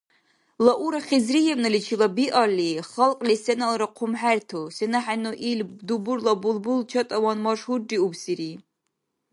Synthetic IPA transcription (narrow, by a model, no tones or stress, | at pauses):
laʔuɾaχʲizrijɛmnɨlit͡ʃʰilabiʔaliχalqʼlisɛnalɾaqʰʊmħærtʰosɛnaħanoʔilbd̪ubuɾlabulˠbult͡ʃʰɐt̪ʼɐwanmaʂhudiubsiɾi